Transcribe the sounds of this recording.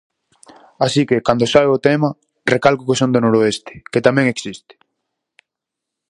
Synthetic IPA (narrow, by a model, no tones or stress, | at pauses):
asikekand̪osaβeot̪ɛma | rekalkʊkesond̪onoɾoest̪ɪ̥ket̪amɛ̃ŋeksist̪ɪ̥